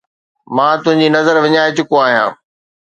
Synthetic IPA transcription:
mãːt̪ʊ̃ɦɪ̃ɲd͡ʑinɐzəɾʋɪɲaːɪt͡ɕʊkoaːɦijã̰ː

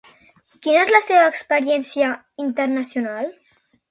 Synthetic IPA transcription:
kinəezləseβəːkspəɾjɛnsiə | int̪əɾnasjunal

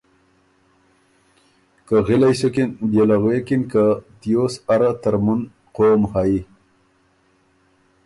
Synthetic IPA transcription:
kaɣilajsokinbjelaɣwekinkat̪ijoːsaɾat̪əɾmun | qoːmhai

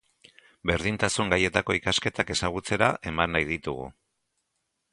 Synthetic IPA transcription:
be̞ɾðint̪asuŋɡaje̞t̪ako̞ikaske̞t̪ake̞saɣ̞ut͡se̞ɾaʔe̞manːajðit̪uɣṵ

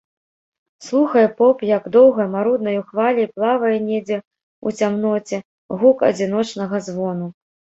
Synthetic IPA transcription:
slˠuxɐjɛpɔpjɐɡd̪ɔwɣɐmaɾud̪̚nɐjuxvalʲɛplˠavɐjɛnʲed͡zʲɛ | ṵt͡sʲamnɔt͡sʲɛ | ɣukɐ̰d͡zʲin̪ɔt͡ʂnɐɣɐzvɔnu

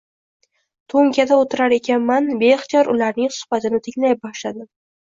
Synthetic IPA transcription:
t̪ʰoŋkʲad̪aot̪ʰɪɾaɾe̞kʲʰanmanbeχt͡ʃ̪ɒɾʊlaɾnɪŋsʊ̥hbat̪ʰɪnɪt̪ʰɪŋʲlajp̚bɒʃlad̪ɪ

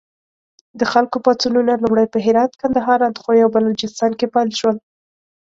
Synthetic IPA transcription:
d̪əxalkopɑt͡sununalumɽəjpəɦɪɾɑt̪kand̪aɦɑɾɑnt̪ə̥xojawbalot͡ʃɪst̪ɑnkepajlʃwəl

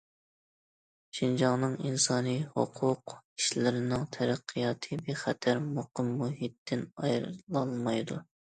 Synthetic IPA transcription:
ʃind͡ʒɑŋnɨŋinsɑːnɨho̰qʰʊqi̥ʃlɪɾɪnɨŋt̪ʰɛɾæqʰːijɑːt̪ʰɨbeχɛt̪ʰæɾmoqəmːuɦit̪ːɪnɑjɾlˠɑlˠmɑjd̪u

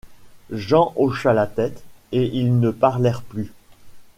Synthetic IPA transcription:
ʒɑ̃ʔoʃalat̪ɛt̪eʔilnəpaʁlɛʁply

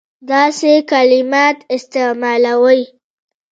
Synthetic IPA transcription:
d̪ɑsekalimɑt̪ɪst̪emɑlawəj

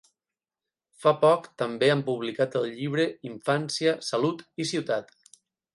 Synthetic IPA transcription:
fapɔkt̪əmbeampuβlikat̪əlˠʎiβ̞ɾəiɱfansiəsalut̪isiwt̪at̪

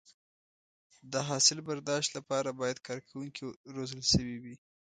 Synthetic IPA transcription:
d̪əɦɑsɪlbaɾd̪ɑʃt̪lapɑɾabɑjad̪kɑɾkʰawuŋkiɾozəlʃəwiwi

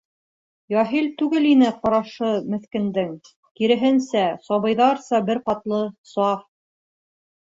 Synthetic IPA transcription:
jɑɦilt̪ʉɡɘlinɘqɑ̆ɾɑʃɤmɘ̆θkɘ̆nd̪ɘŋ | kiɾɘ̆ɦɘ̆nsæsɒβɤ̆jðɑɾsɑbɘɾqɑt̪lˠɤsɑf

